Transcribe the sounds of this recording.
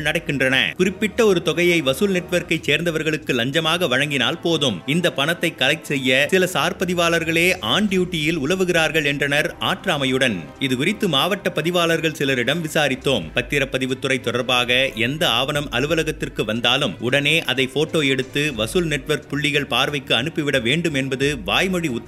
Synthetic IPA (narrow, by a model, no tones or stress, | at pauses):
ɭnɐɽɐɪkːɪndrɐnɐ̰kʊrɪpːɪʈːɐɔɾɯt̪ɔɣɐjɐɪʋɐsuːlnɛʈʋɐɾkɐɪt͡ʃseːɾnd̪ɐʋɐɾɣɐɭɯkːɯlɐɲd͡ʒɐmaːɣɐʋɐɻɐŋɡɪnaːlpoːðɯmɪnd̪ɐpːɐɳɐt̪ːɐɪkːɐlɐɪksɛjːɐsɪlɐsaːɾpɐðɪʋaːlɐɾɣɐɭeːʔaːɳɖjuːʈːɪjɪlʊlɐʋɯɣɪɾaːɾɣɐɭɛndrɐnɐɾaːʈɾaːmɐjɯɽɐn | ɪðɯkʊɾɪt̪ːɯmaːʋɐʈːɐpːɐðɪʋaːlɐɾɣɐɭsɪlɐɾɪɽɐmʋɪsaːɾɪt̪ːoːmpɐt̪ːɪɾɐpːɐðɪʋɯt̪ːɯɾɐɪt̪ːɔɽɐɾbaːɣɐɛnd̪ɐaːʋɐnɐmʔɐ̰lɯʋɐlɐɣɐt̪ːɪrkɯʋɐnd̪aːlɯmʊɽɐneːʔɐðɐɪfoːʈːoːɛɽɯt̪ːɯʋɐsɯlnɛʈːʋɐɾk̚pʊɭːɪɣɐɭpaːɾʋɐɪkːɯɐnɯpːɪʋɪɽɐʋeːɳɖɯmɛnbɐðɯʋaːjmɔɻiʊ